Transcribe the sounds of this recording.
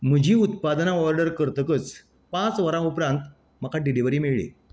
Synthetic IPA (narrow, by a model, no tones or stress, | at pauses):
m̤əd͡ʑʱiːut̪̚pad̪naʋɔɾɖəɾkəɾt̪əkət͡s | pãt͡sʋəɾãupɾãnt̪ | məkʰaɖiliʋəɾiːmeɭɭḭ